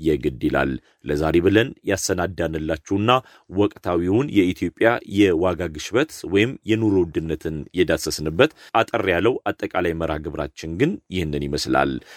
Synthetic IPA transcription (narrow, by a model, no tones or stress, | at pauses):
jɛɡɨd̪ɨla̰l | ləzaɾeβɨlənjasənad̪ːanɨlːat͡ʃːɛwnːa | wɔkʼt̪ʰawiwʊnjɛit̪ʰjo̞pʼjajɛwaɡaɡɨʃbət̪wɔjɪmjɛnuɾowd̪ɨnːət̪ʰɨnjɛd̪asəsnɨbːət̪at̪ʼərːjalːəwʔat̪ʼːəkʼalajməɾa̰ɡɨβɾa̰t͡ʃːɪŋɡɨnjɪhnːɨnjɪməsla̰l